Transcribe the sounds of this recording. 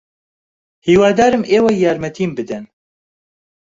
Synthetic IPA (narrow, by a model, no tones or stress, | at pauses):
hiːwaːd̪aːɾɨmʔeːwajaːɾmɛt̪ʰiːmbɨd̪ɛn